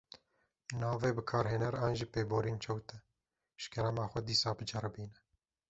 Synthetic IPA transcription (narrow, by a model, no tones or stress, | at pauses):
nɑːveːbɨkʰɑːɾɦeːnɛɾɑːnʒiːpeːboːɾiːnt͡ʃʰɛwt̪ɛ | ʃkɛɾɛmɑːxʷɛd̪iːsɑːbɨd͡ʒɛɾbiːnɛ